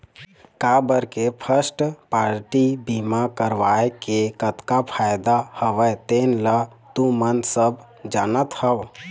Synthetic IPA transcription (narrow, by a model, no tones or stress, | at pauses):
kabəɾkepʰəsʈpaːɾʈibimakəɾʋaːekekət̪kapʰaːjd̪ahəʋət̪eːnla | t̪ũmənsəb | d͡ʒaːnət̪həʋ